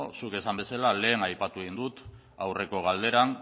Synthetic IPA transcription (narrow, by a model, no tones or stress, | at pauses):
suke̞sambe̞salale̞ːnajpat̪uind̪ut̪ | awre̞ko̞ɣ̞ald̪e̞ɾan